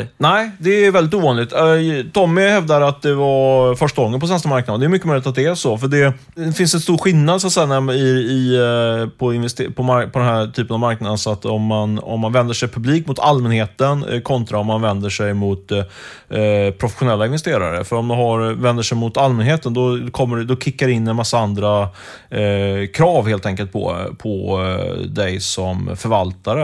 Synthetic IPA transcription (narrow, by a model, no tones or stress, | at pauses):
næɪd̪ɛːɾvɛld̪ɪt̪uːvɑːnlɪɡt̪t̪ʰɔmːɪhɛvd̪aɾat̪̚d̪ɛvafœʂʈaɡɔŋːənpʰɔs̬ɛnst̪əmaɾknd̪nd̪ɛjmʏkːəmœʏjlɪt̪at̪̚d̪ɛæʂɔfœɖɛ | fɪnsɛnst̪uːɾɧɪnːad̪sat̪sɛjːanæɪɪ | pʰɔɪnvɛst̪ːpʰɔmpʰɔd̪ɛnɦæʈ̪ʰyːpənavmaɾknad̪ənsɔat̪ːɔmːanɔ̰mːanvɛnd̪əʂɛjpʰɵbliːkmʊt̪ʰalmɛnheːt̪ən̰kʰɔnt̪ɾaɔmanvɛnd̪əʂɛjmʊt̪ | pʰɾʊfɛ̥ɧʊnɛlːaɪnvɛst̪eːɾa̰ɾə̰fœɾɔmd̪ɛɦaɾvɛnd̪əʂɛjmʊt̪almɛnɦeːt̪ənd̪ɔkʰɔmːəɖɛd̪ɔkʰɪkːaɖɛɪnːɛnmasːaand̪ɾa | kʰɾɑːvheːlt̪ʰɛŋkəlt̪̚pʰɔ̰pʰɔ | d̪ɛjsɔmfœɾvalt̪aɾə